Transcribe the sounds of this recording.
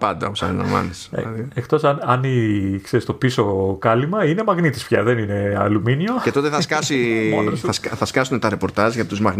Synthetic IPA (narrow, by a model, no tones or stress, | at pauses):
pɐnd̪ɐposɐ̰ninɐ̰mɐ̰nisɐðiext̪o̞sɐnɐnikseɾist̪opiso̞kɐlimɐine̞mɐɣnit̪i̥spçɐ̰ðe̞nine̞ɐ̰luminiocet̪o̞t̪eθɐskɐsi | ɐsθɐskɐsunet̪ɐɾe̞po̞ɾt̪ɐzʝɐt̪t̪uzmɐɣ